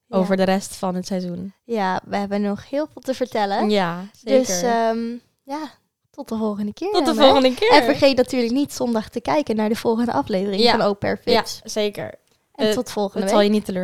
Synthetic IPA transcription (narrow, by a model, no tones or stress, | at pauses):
owvəɹdərɛstfɑnɦətsɛjzunjaːʋəɦɛbənɔχhɪːlˠvɪːlˠtəvəɹtɛləjadøsəm | jaː | tɔt̚dəvɔlˠχəndəkɪːɹdəvɔlˠχə̃ndəkɪɛnfəɹχejtnatyːɹləknitsɔndɑχtəkɛjkənːaːɹdəv̥ɔlˠχəndəʔɑflejvərɪŋŋfɑnowpɛ̰ɹfɪssejkə̰ɹ | ɛntɔtə̥fɔlˠχəndəlˠjənitəløː